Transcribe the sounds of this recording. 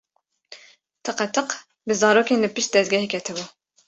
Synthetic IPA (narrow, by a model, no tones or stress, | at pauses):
t̪ʰɨqɛt̪ʰɨq | bɨzɑːɾoːkenlɨpɨʃt̪̚d̪ɛzt̪̚ɡʲɛhekʲʰɛt̪ʰɨbu